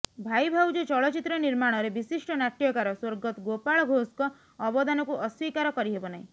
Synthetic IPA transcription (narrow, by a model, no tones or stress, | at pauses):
bʱajbʱawd͡ʒɔt͡ʃɔɭɔt͡ʃit̪ɾɔniɾmaɽ̃ɔɾebisiʂʈɔnaʈjɔkaɾɔswoɾɡɔt̪ɡopaɭɔɡʱoskɔː | bɔd̪anɔkuʔɔswikaɾɔkɔɾiɦebɔnaɦĩ